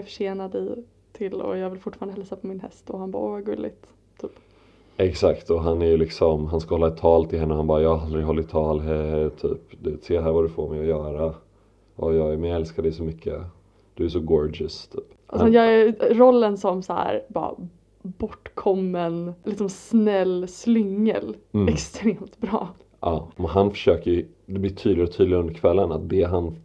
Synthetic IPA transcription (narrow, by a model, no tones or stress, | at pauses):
ɾfœ̥ʂeːnad̪ɪ | t̪ʰɪlːɔ̰jɑːɡvɪlfʊʈːfɑːɾanəɦɛlsapʰɔmɪnhɛ̰st̪ɔhanbɑ̰ːʔoːvaɡɵlːɪ̰ɡt̪ | t̪ʰːyːp | ɛksakt̪ɔɦanæɾjɵlɪksɔmɦanskahɔlːaɪt̪ʰːɑːlt̪ʰɪlɦɛnːəɔhanbɑːɾajɑːald̪ɾɪɡɦɔlːɪt̪ʰɑːlɦɛɛɔt̪ʰy̰ːpd̪seːɦæːɾvad̪ɵfoːɾmɛjɔjœːɾa | ɔjɑːɡæmɪɛlskad̪ɛsɔmʏkʰːə̰ | d̪̥ɵæʂɔɡɔɾɖɪst̪ʰyːpʔaɔjɑːɡæɾɔlːənsɔmshæ̰ɾbɑ̰ːɾa̰ | bɔʈːkʰɔmːənlɪksɔmsnɛlːslʏŋːə̰lɛkst̪ɾeːmt̪bɾɑ̰ː | ʔɑːmɛnɦanfœ̥ʂøːkəj | d̪ɛblɪjt̪ʰyːd̪lɪɡɔt̪ʰyːd̪lɪɡɵnd̪əɾkʰvɛlːənat̪̚d̪ɛɦan